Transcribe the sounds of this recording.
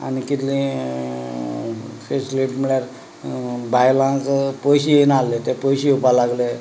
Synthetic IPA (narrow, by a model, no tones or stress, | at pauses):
a̰nikit̪lĩ | sesliʈmiɭjaɾ | bajlãt͡spojɕienalːet̪epojɕiupalaɡle